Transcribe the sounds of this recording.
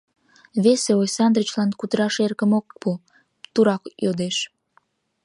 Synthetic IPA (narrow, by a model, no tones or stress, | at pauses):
βeseojsɑnd̪rət͡ɕlɑnkud̪əɾɑʃerkəmok̚pu | t̪uɾɑkjod̪eʃ